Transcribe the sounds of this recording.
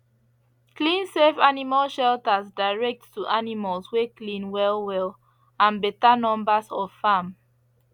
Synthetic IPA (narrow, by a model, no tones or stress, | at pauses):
klĩnsevanimalʃɛltəzdaɪɹɛk̚tːuʔanimalsweklĩnwɛlwɛl | ãnbɛtanɔ̃mbəsɔv̥fãm